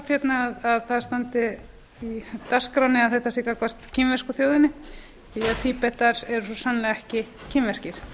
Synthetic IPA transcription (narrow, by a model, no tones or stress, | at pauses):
pfjɛt̪naaðaðθaðst̪ant̪ɪ | it̪askɾawnːɪaðθɛht̪asliːkakʰɔr̥t̪cʰɪmvɛskʏθjowðɪnːɪ | iaðt̪ʰipɛht̪aɾɛɾʏsɔsanlɛːɣaɛhcɪ | cʰɪmvɛscɪɾ̥